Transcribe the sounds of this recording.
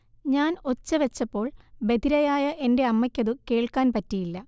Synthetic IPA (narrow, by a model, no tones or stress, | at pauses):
ɲaːno̞t͡ɕːɐʋet͡ɕːɐpːo̞ːɭbe̞d̪ʱiɾɐjaːjɐʔe̞nde̞ɐmːɐkʲːɐðɨke̞ːɭkaːnpɐtːijilːɐ